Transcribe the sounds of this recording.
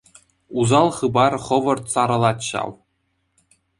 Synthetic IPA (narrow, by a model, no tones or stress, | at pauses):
uzɑlˠχɯbɑrχɤ̆ʋɤ̆rt̪sɑɾɤ̆lˠɑt̪ɕɑ̰w